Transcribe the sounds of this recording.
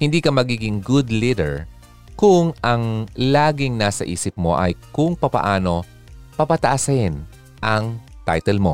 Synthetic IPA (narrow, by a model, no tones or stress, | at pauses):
hɪnd̪iːkɐmɐɡiːɡɪŋɡʊd̪lidɛ̰ɹ | kʊŋʔɐŋlaːɡɪŋnaːsɐ̰ʔḭːsɪp̚mo̞̰ʔɐ̰jkʊŋpɐpɐ̰ʔaːno̞ | pɐpɐt̪ɐʔasɪn | ʔɐŋt̪a̰jt̪ɛlmo̞̰